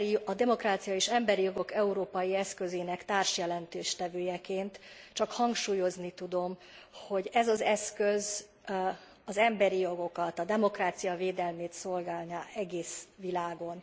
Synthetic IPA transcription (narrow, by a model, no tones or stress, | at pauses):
ɒd̪ɛmo̞kraːt̪sijɒeːʃɛmbɛɾijo̞ɡo̞kɛuɾoːpɒjiɛskø̞zeːnɛkt̪aːrʃjɛlɛnt̪eːʃt̪ɛvøːjɛkeːnt̪t͡ʃɒkhɒŋkʃuːjo̞znit̪ud̪o̞mho̞ɟɛzɒzɛskø̞z | ɒzɛmbɛɾijo̞ɡo̞kɒt̪ɒd̪ɛmo̞kraːt̪sijɒveːd̪ɛlmeːt̪so̞lɡaːlnaːɛɡeːsʋilaːɡo̞n